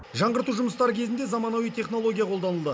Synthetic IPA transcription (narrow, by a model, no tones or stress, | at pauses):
ʒɑɴʁəɾt̪uʒʊməst̪ɑɾəkʲʰe̞zɪnd̪e̞zɑmɑnɑwijt̪ʰe̞χno̞lˠo̞ɡʲijaqʰo̞ld̪ɑnəlˠd̪ə